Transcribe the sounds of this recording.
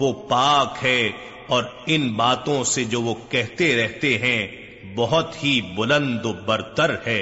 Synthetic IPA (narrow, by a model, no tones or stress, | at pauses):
ʋoːpaːkɦɛ | ɔːɾɪnbaːt̪õsed͡ʒoːʋokɛɦt̪eɾɛɦt̪eɦɛ̃ | bɐɦʊt̪ɦibʊlə̃nd̪obɐɾt̪əɾhɛː